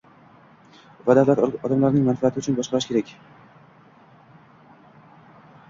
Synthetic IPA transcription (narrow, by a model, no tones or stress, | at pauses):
vad̪avlat̪ɒd̪amlaɾnɪŋmanfat̪ʰɪʊt͡ʃʰʊnbɒʃqɑɾaʃkʲe̞ɾakʲ